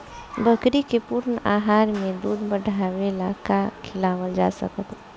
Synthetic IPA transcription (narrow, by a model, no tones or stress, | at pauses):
bʱəkɾikepʊɾna̰ːɦaːɾmẽd̪uːd̪bəɽʱawelakakʰɪlaːwəld͡ʒa̰sə̰kət̪